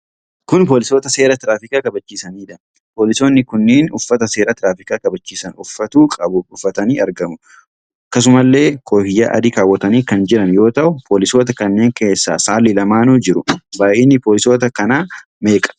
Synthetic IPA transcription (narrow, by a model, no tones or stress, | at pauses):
kʊnp̬o̞ːlɪso̞ːt̪ɐse̞ːɾɐt̪ɾaːfɪkaːkɐbɐt͡ʃːiːsɐniːᶑɐ | po̞ːlɪso̞ːnːɪkʊnːeːnʊfːɐt̪ɐse̞ːɾɐt̪ɾaːfɪkaːkɐbɐt͡ʃːiːsɐnʊfːɐt̪uːkʼɐbʊʊfːɐt̪ɐniːɐɾɡɐmʊ | ɐkːɐs̬ʊmɐlːe̞ːkʰʼoːhɪjːa̰ːʔɐ̰d̪ikaːwːɐt̪ɐniːkɐnd͡ʒɪɾɐnjo̞ːt̪ɐʔʊpʰoːlɪsoːt̪ɐkɐnːe̞ːŋkʰe̞ːsːa̰ːsaːlːɪlɐmaːnuːd͡ʒɪɾʊbaːʔeːnːɪpoːlɪso̞ːt̪ɐkɐnaː | me̞ːkʼɐ̥